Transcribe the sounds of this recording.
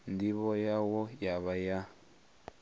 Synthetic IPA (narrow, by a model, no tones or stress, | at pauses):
ndiβɔjawɔjaβaja